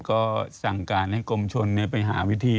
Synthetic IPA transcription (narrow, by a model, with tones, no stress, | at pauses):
kɔː˥˩sa˨˩ŋkaː˧nha˥˩jkʰo˧mt͡ɕʰo˧nːi˥˩pa˧jɦa̰ː˩˦wi˦˥t̪ʰiː˧